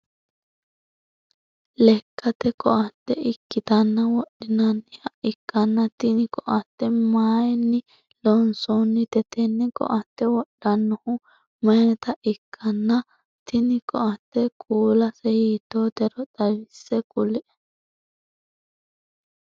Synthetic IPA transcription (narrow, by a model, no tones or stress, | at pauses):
lɛkːɐt̪ɛkɔʔɐt̪ːɛɪkːɪt̪ɐnːɐwɔɗɪnɐnːɪhɐʔɪkːɐnːɐt̪ɪnɪkɔʔɐt̪ːɛmaːjɛnːɪ | lɔnsonːɪt̪ɛt̪ɛnːɛkɔ̰ʔɐt̪ːɛwɔɗːɐnːɔhʊ | mɐnɛt̪ɐʔɪkʰːɐnːɐ | t̪ɪnɪkɔ̰ʔɐt̪ːɛkʼuːlɐsɛhiːt̪ːoːt̪ɛɾɔt̪ɐwɪsːɛkʼʊlɪʔɛ̥